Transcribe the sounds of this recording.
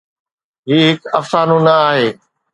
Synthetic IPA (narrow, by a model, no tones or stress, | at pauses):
ɦiːɦɪkɐfsaːnũːnɐaːɦeː